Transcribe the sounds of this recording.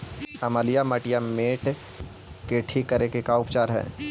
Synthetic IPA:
ɐmaːlijamɐʈijameːʈ | keʈʰikəɾekekaʊpt͡ʃaːɾɦɛ̰ː

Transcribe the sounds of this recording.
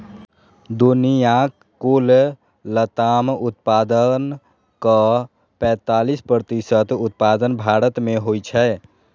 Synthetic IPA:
d̪unijã | kol | lət̪amut̪̚pad̪ən | kə | pɛ̃t̪alispɾət̪isət̪ut̪̚pad̪ənbʱaɾət̪meɦojt͡ʃʰɛ

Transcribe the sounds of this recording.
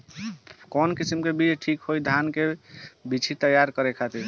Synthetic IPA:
kɔnkisimkebit͡ʃʈʰikɦojd̪ʱankebit͡ʃʰit̪əjaɾkəɾekʰat̪i

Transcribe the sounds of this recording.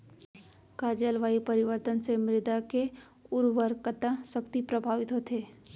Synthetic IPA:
kaːd͡ʒəlʋaːipɐɾɪʋəɾt̪ənsemɾɪd̪ake | ʊɾʋəɾkət̪asəkt̪ipɾəbʱaːʋɪt̪ɦot̪eː

